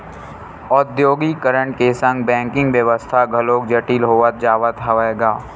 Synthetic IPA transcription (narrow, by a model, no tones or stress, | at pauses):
ɔd̪joːɡikəɾəɳʈkesə̃ŋɡbɛ̃ːŋkɪ̃ŋɡʋjəʋəst̪ʰaɡʱɐloːk̚d͡ʒəʈiːlɦoːʋət̪̚d͡ʒaːʋət̪ɦəʋaeːɡaː